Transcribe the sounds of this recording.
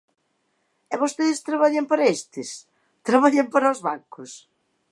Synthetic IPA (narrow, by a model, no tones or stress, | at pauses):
ɛβost̪eðɪst̪ɾaβaʎampaɾɐest̪ɪs | t̪ɾaβaʎempaɾɐozβaŋkʊs